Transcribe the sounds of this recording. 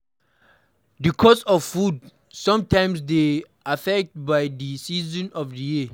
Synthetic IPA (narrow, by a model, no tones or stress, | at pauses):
dikʰɔsɔffud | sãmtʰãj̃msde | afɛk̚t̚bajdisizɔ̃nɔfdəji